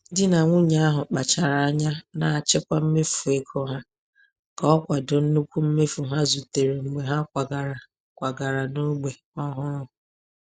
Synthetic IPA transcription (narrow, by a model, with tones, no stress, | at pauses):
dɪ˦na˨ŋʷʊ˦ɲa˦a˦ɦʊ˨k͡pa˨t͡ʃa˨ɾa˨a˦ɲa˦na˨a˨t͡ʃɪ˦kʷa˦m̩˦me˦fu˨e˨kʰo˦ɦa˦ | kɔ˦ɔ˦kʷa˨do˨n̩˦nu˦kʷu˦m̩˦me˦fu˨ɦa˦zu˨te˨ɾe˨ŋ͡m̩˨ɡ͡be˨ɦa˦kʷa˨ɡa˨ɾa˨ | kʷa˨ɡa˨ɾa˨no˦ɡ͡be˨ | ɔ˦ɦʊ˦ɾʊ˦˨